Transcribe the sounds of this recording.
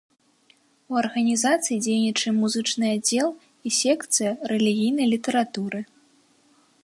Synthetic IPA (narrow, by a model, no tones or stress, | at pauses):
uɐrɣɐnʲizat̪sɨjid͡zʲejnʲit͡ʂɐmuzɨt͡ʂnɨjad͡zʲɛlˠ | isʲɛkt̪sɨjɐɾɛlʲiɣʲijnɐjlʲit̪ɛɾat̪uɾɨ